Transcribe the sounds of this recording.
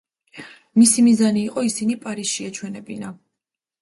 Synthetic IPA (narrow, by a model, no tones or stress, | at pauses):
misimizaniːqʼɔisinipʼaɾisʃiat͡ʃʰwɛnɛbina